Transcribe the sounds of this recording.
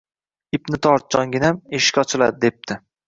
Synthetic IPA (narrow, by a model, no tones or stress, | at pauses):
ɪpnɪt̪ʰɒɾt̪̚d͡ʒɒŋɡʲɪnameʃɪ̥kʲɒt͡ʃʰɪlad̪ɪd̪ep̚t̪ʰɪ